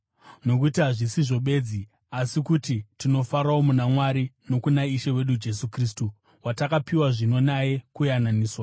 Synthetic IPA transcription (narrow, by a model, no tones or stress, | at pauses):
no̞k̬utiɦaʐisiʐo̞ɓe̞ːd͡zi | asikutitino̞faɾaomunamwaɾino̞kunaiʃewe̞ɗud͡ʒe̞sukriːs̬tu | watakapiwaʐino̞naje̞kujananiːswa